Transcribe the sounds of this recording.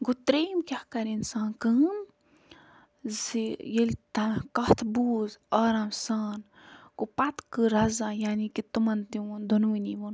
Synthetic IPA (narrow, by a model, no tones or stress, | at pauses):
ɡut̪ɾeːmkʲahkɐɾinsãːnkɨm | zijelt̪ɐkɐht̪ʰbuːzaːɾaːmsaːn | kupɐt̪kɨɾɐzajaːnikit̪umɐnt̪iwund̪ʱunuwiniʋun